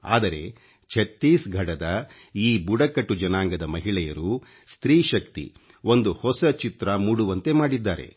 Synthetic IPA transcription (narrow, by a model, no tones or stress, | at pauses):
a̰ːd̪ɐɾe̞̰ | t͡ʃʰɐt̪ːiːsɡʱɐɽɐd̪ɐ | iːbuɽɐkɐʈːud͡ʒɐnaːŋɡɐd̪ɐmɐɦiɭɛjɐɾu | st̪ɾiːʃɐkt̪ḭ | o̞nd̪uhɔsɐt͡ʃit̪ɾɐmuːɽuʋɐnt̪e̞maːɽid̪ːaːɾe̞̰